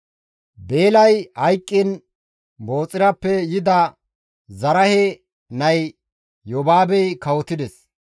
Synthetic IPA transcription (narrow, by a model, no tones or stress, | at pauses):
be̞ːlɐjhɐjkʼːɪn | bo̞ːt͡sʼɪɾɐpːɛjɪd̪ɐ | zɐɾɐhɛ | nɐj | jɔbaːbɛjkɐwɔt̪ɪd̪ɛs